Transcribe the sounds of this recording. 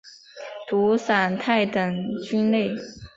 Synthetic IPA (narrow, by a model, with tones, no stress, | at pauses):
t̪u˧˥sa˨˩nt̪ʰa˥˩ɪt̪ə˨˩ŋt͡ɕy˥nle˥˩ɪ